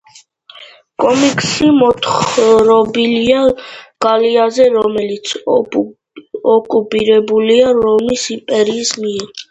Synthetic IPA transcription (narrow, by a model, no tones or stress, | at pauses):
kʼɔmikʼsimɔt̪ʰχɾɔbiliaɡ̥aliazɛɾɔmɛlit̪sʰ | ɔkʼupʼiɾɛbuliaɾɔmisimpʼɛɾiːsmiɛɾ